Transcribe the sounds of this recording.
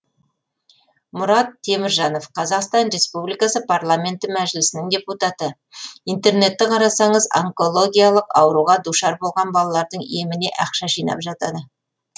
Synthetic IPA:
mʊɾɑt̪ʰːe̞mɪɾʒɑno̞fqʰɑzɑqst̪ɑnɾe̞spublijkɑsəpʰarlˠamʲe̞nt̪ɪmæʒɪlɪsɪnɪŋd̪ʲe̞put̪ɑt̪ə | ijnt̪e̞ɾne̞t̪ːɪqʰɑɾɑsɑɴəza̰ŋko̞lˠo̞ɡʲijalˠəqɑwɾuʁɑd̪uʃɑɾbo̞lˠʁɑnbɑlˠɑlˠɑɾd̪əɴḭemɪne̞̰ʔɑqʃɑʒijnɑ̰pʒɑt̪ɑd̪ə

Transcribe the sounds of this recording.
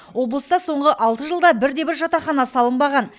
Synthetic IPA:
wo̞blˠəst̪ɑso̞ɴʁəʔɑlˠt̪əʒəlˠd̪ɑbɪɾd̪e̞bɪɾʒɑt̪ɑχɑnɑsɑlˠəmbɑʁɑn

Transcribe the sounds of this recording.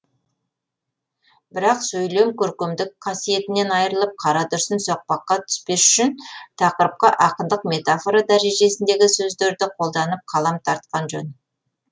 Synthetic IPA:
bɪɾɑqsɵjle̞mkʲʰɵɾkʲemd̪ɪkqʰɑsije̞t̪ɪne̞nɑjəɾəlˠəp̚qʰɑɾɑt̪ʰʏɾsɪnsoq̚pɑqːɑt̪ʰʏ̥spe̞sʏʃɪnt̪ʰɑqəɾəp̚qəʔɑqənd̪əqme̞t̪afo̞ɾad̪æɾe̞ʒe̞sɪnd̪e̞ɡʲɪsɵzd̪e̞ɾd̪ɪqʰo̞lˠd̪ɑnəp̚qʰɑlˠɑmt̪ʰɑɾt̪̚qɑnʒɵn

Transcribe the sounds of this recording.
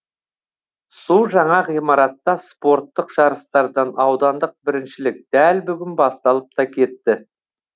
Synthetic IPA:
sulˠʒɑɴɑʁijmɑɾɑt̪ːɑspo̞ɾt̪ːəqʒ̥ɑɾəst̪ɑɾd̪ɑnɑwd̪ɑnd̪əq̚bɪɾɪnʃɪlɪk̚d̪ælbʏɡʲɪnbɑst̪ɑlˠəp̚t̪ɑkʲʰe̞t̪ːɪ

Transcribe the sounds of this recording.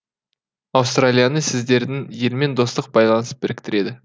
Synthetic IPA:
ɑwst̪ralʲijanəsɪzd̪e̞ɾd̪ɪŋje̞lme̞nd̪o̞st̪əq̚bɑjlˠɑnəsp̚b̥ɪɾɪkʲt̪ɪɾe̞d̪ɪ

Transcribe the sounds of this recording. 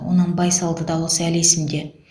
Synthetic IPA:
wo̰nəɴbɑjsɑlˠd̪əd̪ɑlˠəsəælesɪmd̪e

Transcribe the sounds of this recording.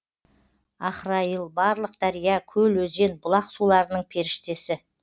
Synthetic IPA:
ɑχɾɑjəlˠbɑɾlˠəq̚d̪̥ɑɾijɑkʲʰɵlwɵze̞nbʊlˠɑqsulˠɑɾənəɴpʰe̞ɾɪʃt̪e̞sɪ

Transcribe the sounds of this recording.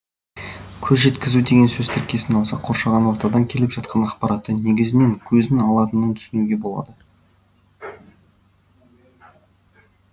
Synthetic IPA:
kʲʰɵzʒe̞t̪kʲɪzud̪e̞ɡʲe̞nsɵzt̪ʰɪɾkʲʰe̞sɪnɑlˠsɑqʰo̞ɾʃɑʁɑnwo̞ɾt̪ɑd̪ɑŋkʲʰe̞lɪpʒɑt̪̚qʰɑnɑqpɑɾɑt̪ːəne̞ɡʲɪzɪne̞ŋkʲʰɵzɪnɑlˠɑt̪ənənt̪ʰʏ̥sɪnuɡʲe̞bo̞lˠɑ̰d̪ə

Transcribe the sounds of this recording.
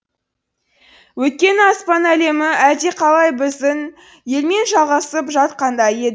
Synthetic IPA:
wɵt̪̚kʲe̞nɪɑspɑnæle̞mɪæd̪e̞qʰɑlˠɑjbɪzɪn | je̞lme̞nʒɑlˠʁɑsəpʒɑt̪qɑnd̪ɑje̞d̪ɪ

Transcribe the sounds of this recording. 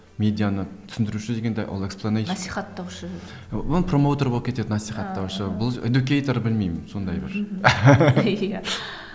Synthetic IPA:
mʲe̞d̪ijanət̪ʰʏ̥sɪnd̪ɪɾuʃɪd̪e̞ɡʲe̞nd̪ejʔo̰lˠe̞ksplˠonesiχɑt̪ːɑwʃə | bʊlˠpro̞mo̞wt̪o̞ɾboəp̚kʲʰeed̪ɪnɑsijχɑt̪ːɑwʃəbʊlˠed̪ukʲejt̪oɾbɪlmejmɪnso̞nd̪ɑjbɪɾ | ja

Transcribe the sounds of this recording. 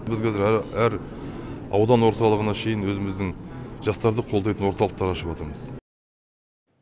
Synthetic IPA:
bɪzqʰɑzɪɾææɾ | ɑ̰wd̪ɑnwo̞ɾt̪ɑlˠəʁənɑʃʰe̞jɪnwɵzɪmɪzd̪ɪŋʒɑst̪ɑɾd̪əqʰo̞lˠd̪ɑjt̪ənwo̞ɾt̪ɑlˠəq̚t̪ɑɾɑʃəpɑt̪əɾməz

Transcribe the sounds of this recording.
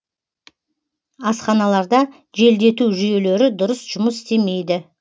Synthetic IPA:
ɑsqɑnɑlˠɑɾd̪ɑ | ʒe̞ld̪e̞t̪uʒʏje̞le̞ɾɪd̪ʊɾəsʒ̥ʊməsɪ̥st̪e̞me̞jd̪ɪ

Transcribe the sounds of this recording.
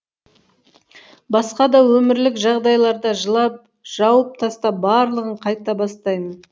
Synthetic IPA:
bɑsqɑd̪ɑwɵmɪɾlɪkʒɑʁd̪ɑjlˠɑɾd̪ɑʒəlˠɑp̚ | ʒ̥ɑwəp̚t̪ʰɑst̪ɑbɑɾlˠəʁəɴqʰɑjt̪ɑbɑst̪ɑjmən

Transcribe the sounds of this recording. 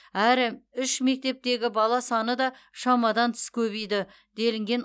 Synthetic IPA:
æɾɪʏʃme̞k̚t̪e̞p̚t̪e̞ɡʲɪbɑlˠɑsɑnəd̪ɑʃɑmɑd̪ɑnt̪ʰɪ̥skʲʰɵβijd̪ɪ | d̪e̞lɪŋɡʲe̞n

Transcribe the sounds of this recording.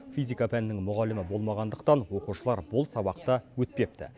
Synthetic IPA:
fʲijzʲikapʰænnːɪŋmʊʁɑlɪmɪbo̞lˠmɑʁɑnd̪əqt̪ɑnwo̞quʃəlˠɑɾbʊlˠsɑbɑq̚t̪ɑwɵt̪̚pe̞p̚t̪ɪ̰

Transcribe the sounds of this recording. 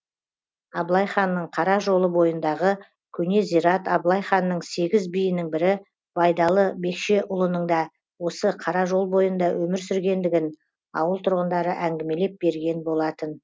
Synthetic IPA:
ɑblˠɑjχɑnːəɴqʰɑɾɑʒo̞lˠəbo̞jənd̪ɑʁə | kʲʰɵne̞zijɾɑt̪ɑblˠɑjχɑnːəɴse̞ɡʲɪzbijɪnɪŋbɪɾɪ | b̥ɑjd̪ɑlˠəbe̞kʃe̞ʔʊlˠənəɴd̪ɑ | wo̞səqʰɑɾɑʒo̞lˠbo̞jənd̪ɑwɵmɪɾsʏɾɡʲe̞nd̪ɪɡʲɪn | ɑ̰wəlˠt̪ʰʊɾʁənd̪ɑɾəʔæŋɡʲɪme̞le̞p̚be̞ɾɡʲe̞nbo̞lˠɑt̪ən

